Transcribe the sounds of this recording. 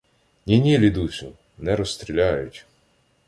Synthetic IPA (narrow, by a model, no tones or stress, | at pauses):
nʲinʲilʲid̪ut͡ʃɪ | nɛɾɔst̪ɾʲilʲajʊtʲ